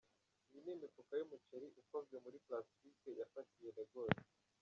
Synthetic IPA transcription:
βinimikukajumuceɾiʔukavɡemuɾiplasi̥fikejafatijenaɡoːɾi

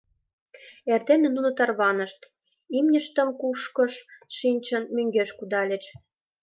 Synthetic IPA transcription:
ert̪enĕnunŏt̪ɑrβɑnə̆ʃt̪ | imnʲə̆ʃt̪ə̆mkuʃkɤ̆ʃʃinʲt͡ɕə̆nmøŋɡeʃkud̪ɑlʲĕt͡ɕ

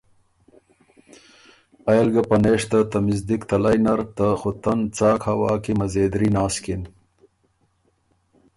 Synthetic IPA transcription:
ɐjlɡɐpɐneːʂt̪ɐt̪ɐmɪzd̪ikt̪ɐlajnɐɾt̪axʊt̪ɐnt͡sɑːkhɐwɑːkimɐzeːd̪ɾinaːskin

